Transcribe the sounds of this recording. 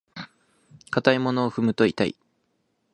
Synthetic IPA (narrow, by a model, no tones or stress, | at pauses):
kat̪aimo̞no̞ːɸɯ̟mɯ̟t̪oit̪aḭ